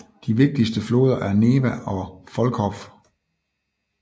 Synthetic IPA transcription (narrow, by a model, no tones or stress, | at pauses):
d̥iʋe̝ɡ̥̚d̥isd̥əflo̝̰ːð̞ˠɐʔæɐne̝ːʋæʔɒ̽fɒ̽lkʰɒ̽f